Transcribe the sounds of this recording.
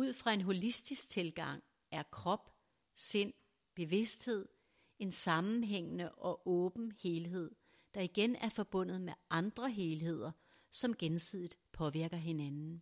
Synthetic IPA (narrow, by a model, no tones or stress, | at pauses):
uð̞̰ˠfʁɑ̈e̝nɦo̝lisd̥isɡ̥̚t͡sʰe̝lɡ̥ɑ̈ŋ̰ | æɐkʰʁɒ̽b̥ | se̝n̰ | b̥e̝ʋe̝sd̥he̝ð̞̰ˠ | e̝nsɑ̈mn̩ɦeŋ̰ənəʔɒ̽ʔɔ̽ːb̥n̩he̝ːlɦe̝ð̞̰ˠ | d̥ɑ̈iɡ̥enæɐfɒ̽b̥ɔ̽n̰ð̞̩ˠmeʔɑ̈nd̥ʁɐɦe̝ːlɦe̝ð̞̰ˠɐ | sɒ̽mɡ̥ensið̰ˠid̥pʰɒ̽ʋiɐɡ̥ɐɦe̝nænn̩